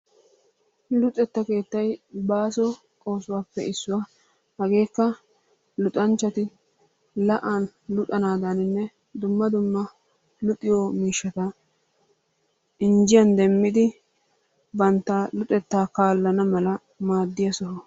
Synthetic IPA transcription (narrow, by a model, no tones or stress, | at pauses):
lʊt̪ʼːɛt̪ːɐke̞ːt̪ːɐjbaːsɔ | kʼo̞ːsʊwaːpːɛ̰ɪsːʊwa | hɐɡe̞ːkːɐ | lʊt̪ʼɐnt͡ʃːɐt̪ɪ | lɐʔaːnlʊt̪ʼɐnaːd̪anɪnːɛ | d̪ʊmːɐd̪ʊmːɐ | lʊt̪ʼːɪjomiːʃːɐt̪ɐ | ɪnd͡ʒɪjɐnd̪ɛmːɪd̪ɪ | bɐnt̪ːaːlʊt̪ʼɛt̪ːaːkaːlːɐnɐmɐlɐ | maːd̪ːɪjɐsɔɦɔ